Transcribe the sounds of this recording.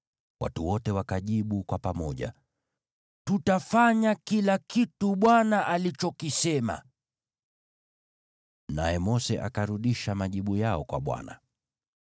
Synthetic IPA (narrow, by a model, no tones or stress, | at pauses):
wa̰tuwɔtɛwakaʄiɓukwapamɔʄa̰ | tutafaɲakilakituɓwanaʔalit͡ʃɔkisɛma̰ | najɛmɔsɛʔa̰kaɾuɗiʃamaʄiɓujaɔkwa̰ɓwa̰na̰